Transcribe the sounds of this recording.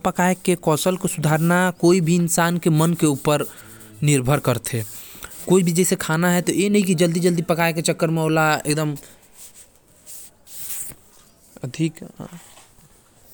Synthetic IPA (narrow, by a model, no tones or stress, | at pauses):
pəkaːjkekɔːsəlkosʊd̪ʱaːɾnakoːibʱiɪnsaːnkemənkeuːpəɾ | nɪɾbʱəɾkəɾt̪ʰekoːibʱid͡ʒɛsekʰaːnaɦɛt̪ojenəɦĩkid͡ʒəld̪id͡ʒəld̪ipəkaːeket͡ʃəkːəɾmẽoːlaḛk̚d̪əm | əd̪ʱik